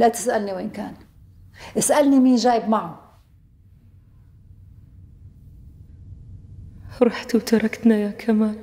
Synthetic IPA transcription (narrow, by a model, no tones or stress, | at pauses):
lat̪ɪ̥sʔalniweːnkaːn | ʔɪsʔalnimiːnʒaːjɪbmaʕu | hɾˤɑħt̪wt̪ɑɾˤɑkt̪najakʰamaːl